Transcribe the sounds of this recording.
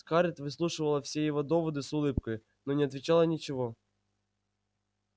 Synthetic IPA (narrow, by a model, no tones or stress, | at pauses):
kaɾʲɪt̪ʲvɨslˠuʂɨvəlˠɐfsʲejɪvod̪ɔvɐd̪ɨsʊlˠɨp̚kəj | nonʲɪɐt̪ʲvʲɪt͡ɕalˠənʲɪt͡ɕɪvo